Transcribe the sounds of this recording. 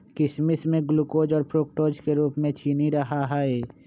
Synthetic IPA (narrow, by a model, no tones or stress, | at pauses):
kɪsmɪsmẽɡlukoːd͡ʒɔːɾpɾoːk̚ʈoːd͡ʒkeɾuːpmẽt͡ʃʰiːniɾɐɦaɦɛɛː